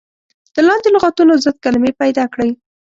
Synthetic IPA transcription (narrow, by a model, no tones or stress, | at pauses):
d̪̥əlɑnd̪elʊɣɑt̪unozəd̪̚kalmepajd̪ɑkɽəj